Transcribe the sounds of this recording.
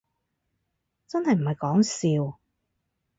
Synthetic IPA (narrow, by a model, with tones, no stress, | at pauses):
t͡sɐ˥nhɐ˨jm̩˨˩hɐ˨jkɔː˨˥ŋsiː˨˧w